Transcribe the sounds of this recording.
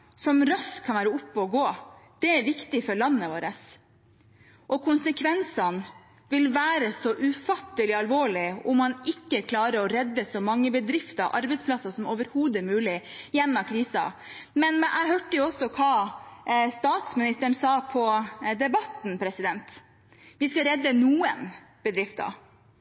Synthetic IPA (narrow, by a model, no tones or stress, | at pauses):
sɔmɾɑskkʰɑnʋæːɾəʊpːɔɔɡoːd̪̥ɛæɾʋɪkt̪ɪfɔɭɑnːəʋoːɾəs | ʔɔkʰʊnsəkʰʋɛnsɑn | ʋɪlʋæːɾəsɔʔʉfɑt̪ːəlɪɑlʋoːɭɪʊmhɑnɪkːəkʰlɑːɾəɾɔɾɛd̪ːəsɔmɑŋːəbəd̪ɾɪft̪əɾʔɑ̰ɾbɛɪspʰlɑsːɑsɔmoːʋəɾhuːd̪æɾmʉːlɪjɛnːɑkʰɾiːsɑ̰mɛnʔæ̰ɪɦøːʈəjʊɔsːɔkʰɑː | st̪ɑːt̪smɪnɪst̪əɳsɑːpʰɔd̪ɛbɑt̪n̩pʰɾɛsɪd̪ɛnt̪ | ʋɪskɑɾɛd̪ːənuːə̰n | b̥əd̪ɾɪft̪ɑ̰